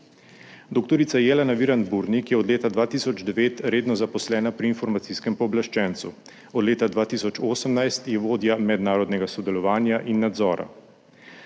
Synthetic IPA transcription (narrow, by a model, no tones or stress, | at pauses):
d̪oːk̚t̪ɔɾit̪sajɛːlɛnaʋiːɾand̪buɾnikjɛɔd̪leːt̪ad̪ʋaːt̪iːsɔd͡ʒd̪ɛʋeːt̪ɾeːd̪nɔzapɔslɛːnapɾiːnfɔɾmat̪siːskɛmpɔːblaʃt͡ʃɛnt̪su | ɔd̪leːt̪ad̪ʋaːt̪iːsɔt͡ʃoːsəmnajst̪jɛʋoːd̪jamɛd̪naːɾɔd̪nɛɡasɔd̪ɛlɔʋaːnjaʔinːad̪zɔːɾa̰